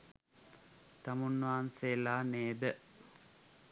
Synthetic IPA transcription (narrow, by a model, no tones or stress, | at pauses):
t̪amunːʋaːnseːlaːneːbə